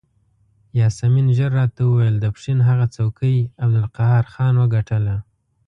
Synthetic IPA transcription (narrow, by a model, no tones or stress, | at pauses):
jɑsaminʒəɾːɑt̪awəwajəld̪əpʂinɦaɣat͡sawkʰəjabd̪ʊlqaɦaɾxɑnwəɡaʈʰəla